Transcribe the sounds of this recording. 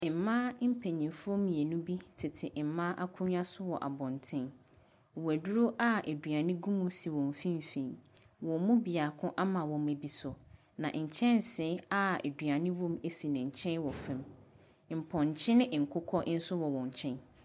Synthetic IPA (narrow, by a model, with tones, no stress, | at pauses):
m̩˨mã˦m̩˦pʰe˨ɲĩ˨mfʊ˦ɔ˦mĩ˨e˨nũ˦bi˦tʰɪ˨tʰɪ˨ʔm̩˨mã˦ʔa˦kʰũ˦ɲ˦a˦sʊ˦wɔ̰˨ʔa̰˨bɔ̃˨ntʰɪ̃˦n˨ | wæ˨du˦ɾo˦ʔa˦ʔæ˨dɥa˨nɪ̃˦ɡũ˦mũ˦si˨wɔ̃˨m˨fĩ˦m˨fĩ˨ | wɔ̃˨mũ˦bi˨a˨kʰʊ̃˦ʔa˦mã˨wɔ̃˨me˨bi˨sʊ˨ | nã̰˨ʔɲ̩˨t͡ɕʰɛ̃˦nsɪ̃˦a˦ḛ˨dɥa˨nɪ̃˦wɔ̃˦me˦˨si˨nɪ̃˨ɲ̩˨t͡ɕʰɛ̃˦nwɔ˨fɛ̃˦m | m̩˨pʰɔ̃˨ɲ˨t͡ɕʰɪ̃˦nɪ̃˦ʔŋ̩˨kʰʊ˦kʰɔ˦n̩˦sʊ˦wɔ˨wɔ̃˨ɲ˨t͡ɕʰɛ̃˦n